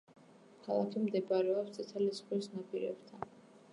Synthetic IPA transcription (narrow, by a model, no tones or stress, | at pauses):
hʰalˠak̪ʰimd̪ɛbɾɛɔpst̪sʼɛt̪ʰɛlisχwisnapʼiɾɛ̰bt̪ʰa